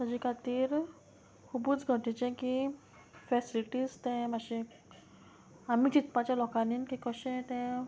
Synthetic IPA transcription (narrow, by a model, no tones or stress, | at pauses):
səd͡ʑikʰat̪iːɾ | hubuːt͡sɡʱəʈit͡ɕɛ̃ki | fɛsiliʈiːst̪ɛ̃maɕẽ | amit͡ɕit̪pãt͡ɕjalɔkaninkĩkəɕɛ̃t̪ɛ̃